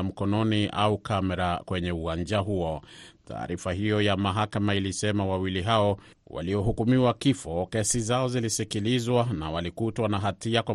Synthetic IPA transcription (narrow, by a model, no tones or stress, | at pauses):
m̩kɔnɔnia̰ukamɛɾakwɛɲɛuwaɲd͡ʒaɦuɔtʰa̰ːɾifaɦijɔjamaɦakamailisɛmawawiliɦaɔ | wa̰liɔɦukumiwakifɔkɛsizaɔzilisikilizwana̰walikutwanaɦatiakwa